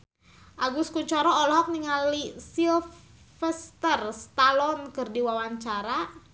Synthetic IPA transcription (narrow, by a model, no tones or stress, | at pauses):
ʔaɡuskuɲt͡ʃɔɾɔɔlɔɦɔk̚niŋalisilf | fəst̪ərst̪alɔnkɨrdiwawaɲt͡ʃaɾa